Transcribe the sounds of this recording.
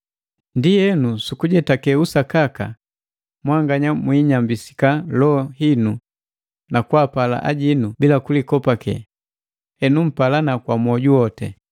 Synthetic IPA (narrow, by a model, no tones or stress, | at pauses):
ndijɛnusukuɟɛtakɛusakaka̰ | mwaŋɡaɲamwiːɲambisi̥kalɔɦinu | nakuapala̰ʔa̰ɟinubilakulikɔpakɛ̰ | ɛnum̩palanakwamwɔɟuɔtɛ̰